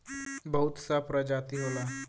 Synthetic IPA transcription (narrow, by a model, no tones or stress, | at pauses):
bəɦʊt̪sapɾəd͡ʒat̪iɦoːlaː